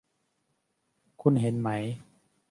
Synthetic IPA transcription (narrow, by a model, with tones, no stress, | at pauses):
kʰu˧nɦe˨˦nma˦j